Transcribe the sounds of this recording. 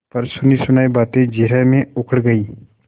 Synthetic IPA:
pɐɾsʊnisʊnaːibaːt̪ẽd͡ʒɪɾɛmẽʊkʰəɽɡɐiː

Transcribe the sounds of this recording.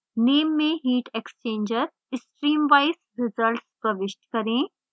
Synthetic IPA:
neːmːẽɦiːʈekst͡ʃẽːɲd͡ʒəɾ | ɪsʈɾiːmʋaɪsɾɪzəlʈspɾɐʋɪʃʈkɐɾẽ

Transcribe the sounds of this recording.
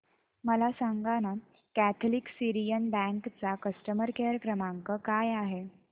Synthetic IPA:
məlasaŋɡaña | kæt̪ʰliksiɾijənbæ̃ŋkt͡sakəsʈəməɾkeɾəkɾəmaŋkəkajaɦe

